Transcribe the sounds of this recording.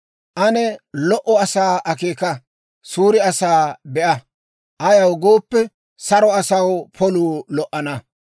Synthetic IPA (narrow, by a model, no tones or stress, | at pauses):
ʔɐnɛlɔʔɔɐsaːʔɐkeːkɐ | suːɾɪɐsaːbɛʔɐ | ʔɐjɐwɡoːpːɛ | sɐɾɔɐsɐwpʰɔluːlɔʔːɐnɐ